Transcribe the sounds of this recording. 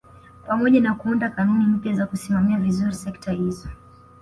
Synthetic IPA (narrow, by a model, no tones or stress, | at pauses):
pamɔʄanakuundakanunim̩pjazakusimamiavizuɾisɛktahizɔ